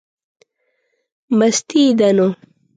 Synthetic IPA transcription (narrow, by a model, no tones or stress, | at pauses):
mɐst̪iːd̪ɐno